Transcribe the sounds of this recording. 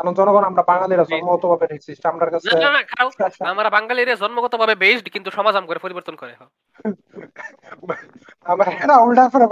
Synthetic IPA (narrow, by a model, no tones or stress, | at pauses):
anond͡ʑɔnɔɡɔnamɾabaŋɡaliɾad͡ʑɔnmoɡɔt̪obʱabeʈʰiksʰisʈamɾaɾkat͡sʰnaenanakʰaɾawamɾabaŋɡaliɾad͡ʑɔnmoɡɔt̪obʱabebejsɖkint̪uʃɔmad͡zamkoɾepoɾiboɾt̪onkɔɾeɦɔ | amaɾɾaulʈafʰɔɾe